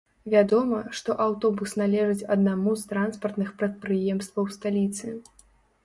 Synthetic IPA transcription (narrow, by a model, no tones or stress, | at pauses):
vʲad̪ɔmɐʂt̪ɔʔawt̪ɔbusnalʲɛʐɨt͡sʲɐd̪namuzt̪ɾanspɐrt̪nɨxpɾɐt̪̚pɾɨjɛmst̪vɐwst̪alʲit̪sɨ